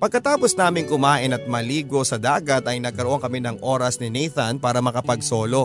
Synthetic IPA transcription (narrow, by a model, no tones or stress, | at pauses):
pɐɡ̚kɐt̪aːposnaːmɪŋkʊmaːʔɪnɐt̪̚mɐliːɡo̞sɐd̪aːɡɐt̪ɐjnɐɡkɐɾoʔoŋkɐmɪnɐŋʔo̞ːɾɐsnɪnɛjθɐnpaːɾɐmɐkɐpɐɡso̞ːlo̞